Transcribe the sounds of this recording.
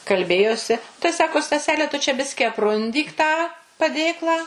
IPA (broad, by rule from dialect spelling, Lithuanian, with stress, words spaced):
kɐlʲˈbʲeːjoːsʲɪ tɐɪ ˈsɑːkoː stɐˈsʲæːlʲɛ tʊ t͡ʃʲɛ ˈbʲɪsʲkʲɪ ɐpˈrʊnʲdʲiːk tɑː pɐˈdʲeːklˠɑː